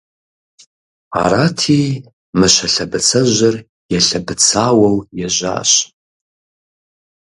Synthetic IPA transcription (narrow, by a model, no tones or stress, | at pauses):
a̰ɾatʰi | mɨʃʷɐɬɐbɨt͡sʰɐʒʷɐr | jɛɬɐbɨt͡sʰaːwɐwjaʒʷa̰ːɕ